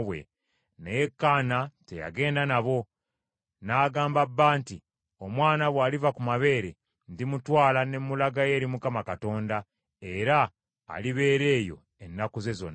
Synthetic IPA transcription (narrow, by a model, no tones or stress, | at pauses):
βwe̞̰ | nejekːaːnate̞ja̰ɡe̞ːndanaβo̞ | naːɡaːmbabːaːnti | o̞mwaːnaβwaːlivakumaβe̞ːɾe̞ | ndimutwaːlane̞mːulaɡaje̞ːɾimukamakato̞ːnda | e̞ɾa̰ː | liβe̞ːɾe̞ːjo̞̰ | e̞nːakuze̞zo̞̰n